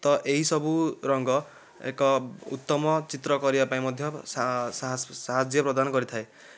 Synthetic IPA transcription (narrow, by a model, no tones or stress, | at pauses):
t̪ɔʔeɦisɔbuɾɔŋɡɔ | ḛkɔṵt̪ːɔmɔt͡ʃit̪ɾɔkɔɾibapaĩmɔd̪ʱjɔasasaɦad͡ʒjɔpɾɔd̪anɔkɔɾit̪ʰae